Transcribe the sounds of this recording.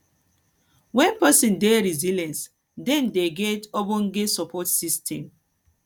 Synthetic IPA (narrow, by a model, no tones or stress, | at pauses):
wɛ̃npɛsĩndeɾizilãns | dɛ̃ndeɡɛtɔbõnɡesɔpʰɔtsistʰɛ̰̃m